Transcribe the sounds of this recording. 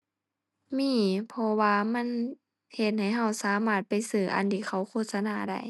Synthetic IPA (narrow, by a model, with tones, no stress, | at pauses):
miː˧˥˨pʰɔ˧waː˧ma˧˥˨n | he˧˩t̪̚ha˨˩jɦa˧˩wsaː˨˦maː˧˩t̪̚pa˧˨jsɯː˧˩ʔa̰˧˨nt̪ʰiː˧˩xʰa˧˩˨wkʰoː˧˨t̪̚sa˧naː˧˩da̰˧˩j